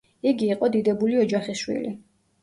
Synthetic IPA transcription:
iɡiːqʼɔd̪id̪ɛbuliɔd͡ʒaχisʃwḭli

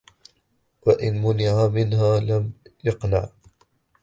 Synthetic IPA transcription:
waʔɪnmʊnɪʕamɪnɦaːlamjɪqna̰ʕ

